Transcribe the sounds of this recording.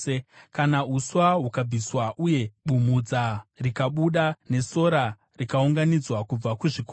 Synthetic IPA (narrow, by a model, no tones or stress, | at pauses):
kanauswaɦukab͡viswaʔuje̞ɓumud͡zarikaɓuɗane̞so̞ɾa | rikauŋɡanid͡zwakub͡vakuʐiko